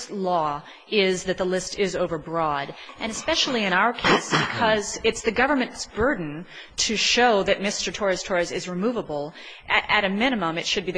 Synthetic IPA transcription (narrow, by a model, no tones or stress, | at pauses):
lɔ | ɪzðɨt̪̚ðəlɪstɪzoʊvə˞bɹɔɾʔɨ̃ñɨspɛʃl̩ˠiɨ̃ɾ̃aʊə˞kʰeɪsb̥ɨkʰʌzɪtsðɨɡʌvə˞mɨ̃ntsb̥ɜ˞dⁿn̩ | tʰɨʃoʊðɨt̚mɪstə˞tʰɔɹɨstʰɔɹɨsɪzɹɨmuvəbl̩ˠ | ʔɨɾɨmɪñɨmə̃mɨtʃɨd̚biðɨ